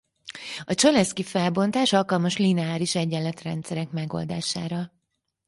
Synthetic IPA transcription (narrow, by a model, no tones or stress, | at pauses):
ɒt͡ʃolɛskifɛlbo̞nt̪aːʃɒlkɒlmɒʃlinɛaːɾiʃɛɟːɛlːɛt̪rɛ̰nt̪sɛɾɛkmɛɡo̞̰ld̪a̰ːʃa̰ːɾɒ